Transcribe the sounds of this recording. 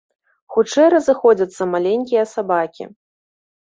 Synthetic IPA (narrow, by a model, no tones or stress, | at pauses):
xut͡ʂɛjɾɐzɨxɔd͡zʲɐt̪sːɐmalʲenʲkʲijɐsabakʲḭ